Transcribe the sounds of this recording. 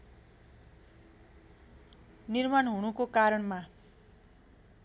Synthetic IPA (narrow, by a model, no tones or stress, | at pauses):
nirmanɦunukokaɾʌɳma